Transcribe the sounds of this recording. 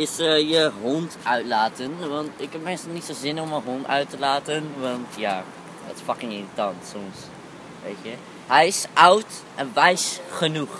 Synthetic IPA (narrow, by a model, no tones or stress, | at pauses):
ɪsjəɦɔntœɥtlaːtənʋɑntɪkɦɛp̚mɪnstlˠnitsozɪnɔmənɦɔntœ̰ɥtəlaːtənʋɑntja̰ː | dɔ̰tɪ̥sfɑkɪŋiritɑntsɔms | ʋḛjtjə | ɦɛjɪsʔʌwt | ʔɛnʋɛjsχənux